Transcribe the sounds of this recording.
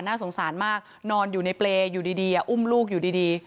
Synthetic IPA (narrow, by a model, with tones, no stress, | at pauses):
naː˥˩so˩˦ŋsaː˩˦nmaː˥˩k̚ | nɔː˧njuː˨˩na˧jpleː˧juː˨˩diː˧diː˧ʔa˨˩ʔu˦˥˩mluː˥˩k̬̚juː˨˩diː˧diː˧